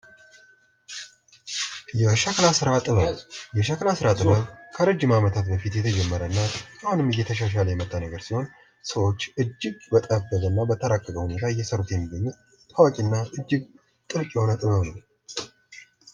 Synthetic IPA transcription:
jɛʃəklasɨɾat̪ʼɨβəβjɛʃəklasɨɾat̪ʼɨβəβkʰəɾəd͡ʒːɪmamət̪ʰat̪bəfit̪jɛt̪ʰəd͡ʒɛmːəɾəɨnːajhonɨmɨjːɛt̪ʰəʃ̬aʃ̬aləjɛmət̪ʼːanəɡəɾsiho̞n | səwo̞t͡ʃːɨd͡ʒːɪɡbət̪ʼəbːəɡənːabət̪ʰəɾakʼːəɡʼəhune̞t̪ʰajːɛsəɾut̪jɛmːiɡːəɲːut̪ | t̪ʰːawakʼinːaʔɨd͡ʒːɪɡ | t̪ʼɨlkʼjɛho̞nət̪ʼɨβəβnəw

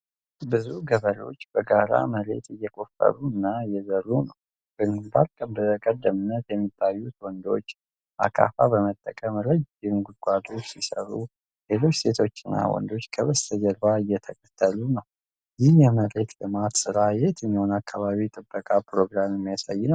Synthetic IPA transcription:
bɨzuɡəβəlo̞̰t͡ʃːbəɡaɾa̰məɾe̞̰t̪ɨjːɛkʼo̞fə̰ɾuɨnːaɨjːɛzərːunəw | ɡ̥ɨnbaɾkʼəmbəkʼəd̪ːəmɨnːət̪jɛmːit̪ʰʼːajːut̪wɔnd̪o̞t͡ʃː | ʔa̰kʰa̰fabəmət̪ʼːəkʼəmɾəd͡ʒɪnɡuɡʷad̪o̞t͡ʃːsisəɾu | le̞lo̞t͡ʃːse̞t̪ʰo̞t͡ʃːɨnːa̰wɔ̰nd̪o̞t͡ʃːkʰəβəst̪ʰəd͡ʒəɾbaɨjɛt̪ʰəkʼə̥t̪ʰːəlunəww | jɪhjɛməɾe̞t̪lɨmat̪sɨɾajet̪ɨmːiho̞nakʰːaβaβit̪ʼɨbːəkʼapʰɾo̞ɡɾamɛmːijasajːɪnəw

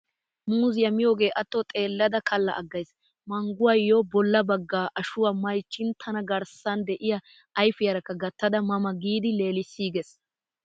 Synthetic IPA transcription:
muːzɪjɐmɪjoːɡe̞ːʔɐt̪ːot̪ʼe̞ːlːɐd̪ɐkʰɐlːɐ̰ʔɐɡːɐjs | mɐŋɡʊwɐjːobɔlːɐbɐɡːaːʔɐʃʊwamɐjt͡ʃːɪnt̪ʰɐnɐɡɐɾsɐnd̪ɛʔɪjɐ | ʔɐjfɪjɐɾɐkːɐɡɐt̪ːɐd̪ɐmɐmɐɡiːd̪ɪle̞ːlɪsːiːɡɛs

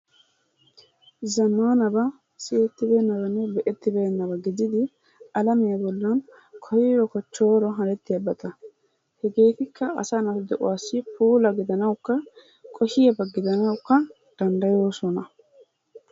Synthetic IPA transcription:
zɐmːaːnɐbɐ | sɪjɛt̪ːɪbe̞ːnːɐbɐnːɛbɛʔɛt̪ːɪbeːnːɐbɐɡɪd͡ʒ̪ɪd̪ɪ | ɐlɐmɪjɐbɔlːɐn | kʰɔjɪjɔkɔt͡ʃːo̞ːɾɔɦɐɾɛt̪ːɪjɐbɐt̪ɐ | hɛɡeːfɪkːɐɐ̰sɐnɐt̪ʊd̪ɛʔʊ̰waːsːɪpuːlɐɡɪd̪ɐnɐwkːɐ | kʼɔʃɪjɐbɐɡɪd̪ɐnɐwkːɐ | d̪̥ɐnd̪ɐjoːsɔnɐ

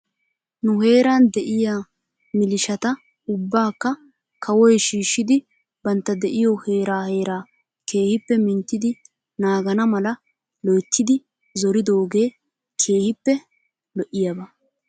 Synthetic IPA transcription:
nʊɦe̞ːɾaːnd̪ɛʔɪjaː | mɪlɪʃɐt̪ɐ | ʊbːaːkːɐ | kʰɐwɔjʃiːʃːɪd̪ɪ | bɐnt̪ːɐd̪ɛʔɪjɔhe̞ːɾaːhe̞ːɾaː | ke̞ːhɪpːɛmɪnt̪ːɪd̪ɪ | naːɡɐnɐmɐlɐ | lɔjt̪ːɪd̪ɪ | zɔɾɪd̪o̞ːɡe̞ː | kʰe̞ːhɪpːɛ | lɔʔɪjabɐ

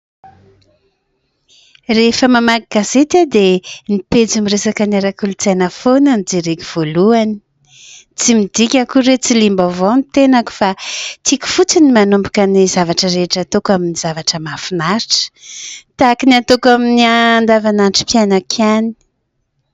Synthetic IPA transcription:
refəmamaɡaɡaset̪ad̪eniped͡zumiɾesakanaɾakulut͡sajnəfonanid͡zeɾekiv̥oluani̥ | t͡simid̪ikʲakuɾet͡silimbavonit̪enaku̥fat̪ʰiku̥fut͡sinimanumbu̥kənizavaʈ͡ʂəɾeʈ͡ʂat̪okaminiz̥avaʈ͡ʂəmafinaɾiʈ͡ʂə̥t̪akiniat̪okaminiand̪avananʈ͡ʂi̥pjanakʰani̥

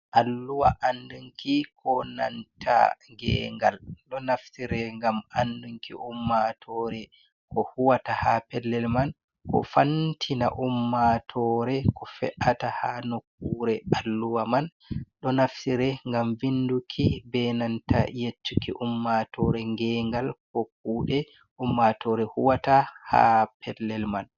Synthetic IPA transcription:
ʔalːuwaʔanduŋkikʰɔna̰ntʰa̰ŋɡɛ̰ːŋɡalɗɔnaftiɾɛŋɡamanduŋkḭʔumːatʰɔɾɛ | kɔhuwatahapɛlːɛlman | kɔ̰fantʰina̰ʔumːatʰɔɾɛkɔfɛ̰ʔatahanokːuɾɛalːuwaman | ɗɔnafsiɾɛŋɡamvindukʰibɛnanta̰jet͡ʃːukiʔumːatʰɔɾɛŋɡɛŋɡalkok̚ːuːɗɛ | ʔumːatɔɾɛhuwataha̰pʰɛlːɛlman

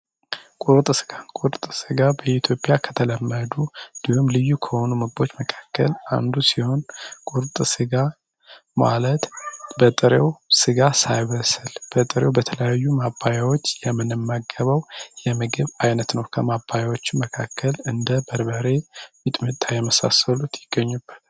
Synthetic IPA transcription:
kʼuɾt̪ʼɡakʼuɾt̪ʼsɨɡabəit̪ʰjo̞pʼɪjakʰə̥t̪ʰələmːəd̪ud̪̥ɨhumlɨjːukʰəho̞numɨɡbo̞t͡ʃːməkʰḁkːəla̰nd̪usiho̞nkʼuɾt̪ʼsɨɡa | ma̰lət̪bət̪ʼɨɾewsɨɡasajβəsɨlb̥ət̪ʼɨɾewbət̪ʰələjajːumabːajawot͡ʃːjɛmːɨnɨmːaɡːəβəwjɛmɨɡɨβajnət̪nəwkʰəmabːajawo̞t͡ʃːɪməkʰakʰːəlɨnd̪əbəɾbəɾe̞jit̪ʼmɨt̪ʼːajɛməsa̰səlut̪jɪɡ̥ːəɲːubːət̪ʰal

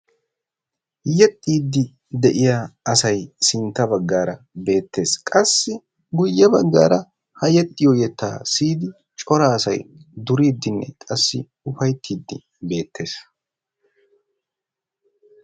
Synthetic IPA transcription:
jɛt̪ʼːiːd̪ːɪ | d̪ɛʔɪjaɐsɐjsɪnt̪ːɐbɐɡːaːɾɐ | be̞ːt̪ʰːe̞ːskʼɐsːɪ | ɡʊjːɛbɐɡːa̰ːɾɐ | hɐjɛt̪ʼːɪjɔjɛt̪ːa̰ːsiːd̪ɪ | t͡ʃʼɔɾaːsɐ̰jd̪ʊɾiːd̪ːɪnːɛ̰kʼɐsːɪ | ʊfɐjt̪ʰːiːd̪ːɪ | be̞ːt̪ːe̞ːs

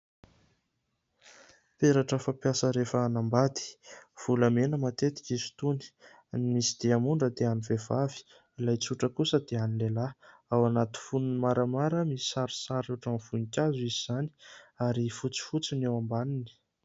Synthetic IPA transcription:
t̪eɾaʈ͡ʂəfapjasəɾefəːnambad̪i̥v̥ulamenəmat̪et̪i̥kizi̥t̪uni̥ | nimisid̪̥eamuɳɖ͡ʐəd̪eanivevavi̥ | ilajt͡suʈ͡ʂəkusəd̪eanilelaawanat̪i̥fununimaɾamaɾəmisi̥saɾi̥saɾuʈ͡ʂanfunikʲazuiziz̥ani̥aɾifut͡si̥fut͡sinewambanini̥

